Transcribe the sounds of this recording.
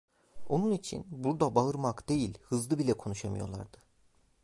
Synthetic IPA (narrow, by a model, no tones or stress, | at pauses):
o̞nunit͡ʃʰḭnbuɾd̪abaɯɾmakd̪e̞jilʲhɯzlˠɯbilʲɛkʰo̞nuʃamɯ̰jo̞̰lˠa̰ɾd̪ɯ